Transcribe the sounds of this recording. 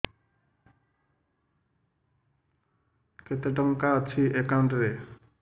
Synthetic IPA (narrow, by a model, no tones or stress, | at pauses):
ket̪eʈɔŋkat͡ɕʰiʔekanɖɾe